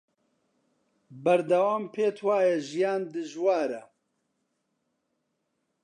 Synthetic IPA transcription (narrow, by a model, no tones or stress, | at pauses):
bɐɾd̪ɐwaːmpʰeːt̪ʰwaːjɛʒijaːnd̪ɨʒwaːɾɐ